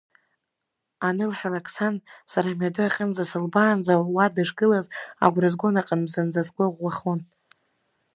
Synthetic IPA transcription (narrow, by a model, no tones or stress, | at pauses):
anɨlħalakʰʼsansaɾamɥadɨaχʲʼənd͡zasɨlbaːnd͡zawwadɨʂɡɨlaza̰ɡʷrɨzɡʷonaqʼamzand͡zazɡʷaʁʷːaχon